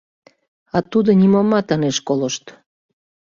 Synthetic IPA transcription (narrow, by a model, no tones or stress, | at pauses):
ɑt̪ud̪onʲimomːɑt̪ɑneʃkoləʃt̪